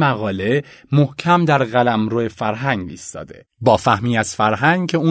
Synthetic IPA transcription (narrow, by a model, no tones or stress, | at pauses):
mæɣɒːle̞mohcʰæmd̪æɾɣælæmɾoefæɾɦæŋɡḭːst̪ɒ̰ːd̪e̞̰ | bɒːfæhmiːæz̥fæɾɦæŋɡcʰeuː